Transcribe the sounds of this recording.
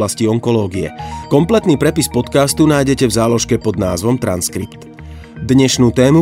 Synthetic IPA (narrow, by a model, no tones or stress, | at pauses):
lasciɔŋkɔlɔːɡiɛ̰kɔmplɛt̪niːpɾɛpispɔt̪kaːst̪unaːjɟɛcɛvzaːlɔʃkɛpɔd̪naːzʋɔmt̪ɾa̰nskɾipt̪ | d̪ɲɛʃnuːt̪ɛːmu